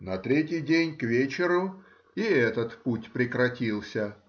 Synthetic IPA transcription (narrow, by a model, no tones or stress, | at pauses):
nɐt̪ɾʲetʲɪjdʲenʲkvʲet͡ɕɪɾʊ | iɛt̪ət̪putʲpɾʲɪkɾɐtʲilˠsʲə